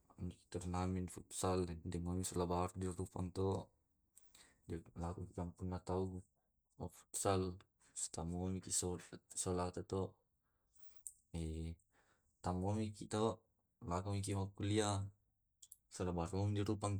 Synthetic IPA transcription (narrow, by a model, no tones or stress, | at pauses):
miki̥t̪ɔrnaminfut̪saldɛŋomisɔlabardirupaŋt̪ɔʔ | d͡ʒalakukikampunːat̪au | ɔfu̥t̪sal | st̪amomikisɔsɔlat̪at̪ɔʔ | ɛ | t̪amomikit̪ɔʔ | lakuŋikimakulia | sɔlabaɾɔŋdiɾupaŋ